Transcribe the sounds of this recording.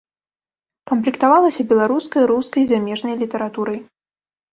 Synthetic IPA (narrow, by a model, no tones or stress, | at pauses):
kɐmplʲikt̪avalˠɐsʲɐbʲɛlˠaɾuskɐjɾuskɐjzamʲɛʐnɐjlʲit̪ɛɾat̪uɾɐj